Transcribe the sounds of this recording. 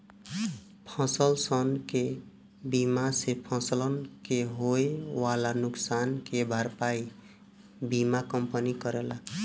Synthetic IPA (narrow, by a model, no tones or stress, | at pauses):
pʰɔ̃səlsʌnke | bimasepʰɔ̃sələnkeɦoewalanʊksankebʱaɾpai | bimakʌmpənikʌɾela